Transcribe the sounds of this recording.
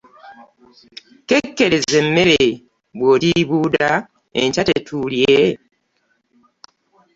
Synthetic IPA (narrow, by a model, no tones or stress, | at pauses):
ke̞kːe̞ɾeze̞mːe̞ɾe | βwotiβuːda | ḛɲcatetʰulje